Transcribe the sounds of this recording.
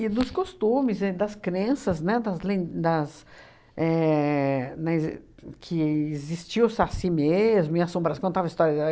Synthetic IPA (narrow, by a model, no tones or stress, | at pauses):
ɪnʊskost̪ũmɪzɛd̪ɐskɾẽsɐznɛd̪ɐzlẽd̪ɐs | ɛ | nɛ | kʰɪɪzist͡ʃiwsasimezmʊĩɐsõbɾaskõd̪t̪avɐist̪ɔɾjɐ